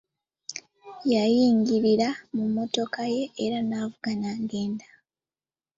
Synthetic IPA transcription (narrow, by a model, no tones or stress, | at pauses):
jajiːŋɡiɾiɾamumːo̞to̞kaje̞ːɾanaːvuɡanaŋɡe̞ːnda